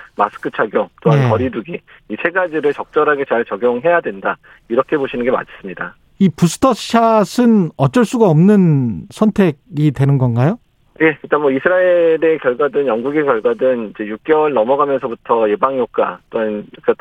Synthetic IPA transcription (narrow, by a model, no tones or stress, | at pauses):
masʰɯ̥kʰɯt͡ɕʰaɡjot͈oɦankʌɾiduɡi | isʰe̞ɡad͡ʑiɾɯɭt͡ɕʌk̚t͡ɕ͈ʌɾɦaɡe̞t͡ɕaɭt͡ɕʌɡjoŋɦe̞jadwe̞nda | iɾʌkʰe̞boɕʰinɯnŋɡema̰d͡ʑʰe̥s͈ɯmɲida | ipusʰɯ̥tʰʌɕʰasʰɯnʌt͡ɕ͈ʌɭs͈uɡaʌmnɯnsʰʌntʰe̞ɡ̚itwe̞nɯnɡʌnɡajo | ne̞kɯɭt͈anmwʌisʰɯɾaeɾe̞kjʌɭɡwadɯnjʌŋɡuɡekjʌɭɡwadɯnid͡ʑe̞juk̚k͈ewʌɭnʌmʌɡamjʌnsʰʌbutʰʌje̞baŋjok̚k͈a̰t͈oɦanjak͈a